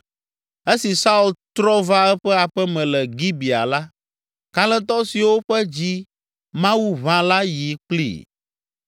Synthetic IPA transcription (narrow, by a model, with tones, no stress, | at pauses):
e˦si˨sa˦u˨lt̪ɾɔ˦va˦ɛ˦ɸɛ˦a˨ɸɛ˦mɛ̃˨lɛ˨ɡi˦bi˨a̰˨la˦ | ka˦lɛ̃˦t̪̬ɔ˦si˨wo˦ɸɛ˦d͡ʑi˦ | mã˦wu˦βã˦la˦ji˨k͡plḭ˦˨